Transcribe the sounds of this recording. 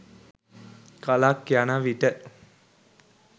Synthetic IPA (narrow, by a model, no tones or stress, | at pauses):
kalakːjanaʋiʈə